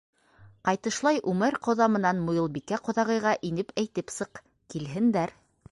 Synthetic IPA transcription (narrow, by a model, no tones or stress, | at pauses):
qɑjt̪ɤ̆ʃlˠɑjʔʉmæɾqŏðɑmɤ̆nɑnmŏjɤ̆lˠbikæqŏðɑʁɤ̆jʁɑʔinɘpæjt̪ɘpsɤq | kilɦɘ̆nd̪æɾ